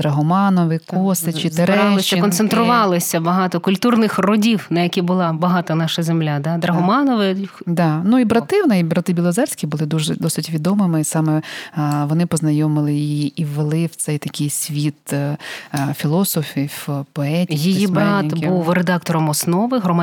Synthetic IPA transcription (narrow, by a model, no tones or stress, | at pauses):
d̪ɾɐɦɔmɑnɔʋɪkɔsɪt͡ʃieɾɛɾɑlˠɪʃst͡ʃʲːɐɪkɔnsent̪ɾʊʋɑlˠɪsʲɐbɐɦɑt̪ɔkʊlʲt̪urnɪxrɔdʲiwnɐjɐkʲibʊlˠɑbɐɦɑt̪ɐnɑʃɐzemlʲad̪ɑd̪ɾɐɦɔmɑnɔʋɪd̪ɑnuibɾɐt̪ɪwnɛibɾɐt̪ɪbʲilˠɐzɛrʲsʲkʲibʊlˠɪd̪uʒɛ̰d̪ɔsɪtʲʋʲid̪ɔmɪmɪisɑmɛʋɔnɪpɔznɐjɔmɪlˠɪjiːwːelˠɪwt̪sɛjt̪ɐkʲɪjsʲʋʲit̪ | fʲilˠɔsɔfʲipɔɛtʲijijibɾɑt̪buwred̪ɑk̚t̪ɔɾɔmɔsnɔʋɪɦɾɔma